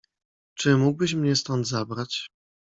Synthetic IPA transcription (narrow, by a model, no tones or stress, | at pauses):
t͡ʂɘmuɡ̚bɘɕmɲɛst̪ɔnd̪zabɾat͡ɕ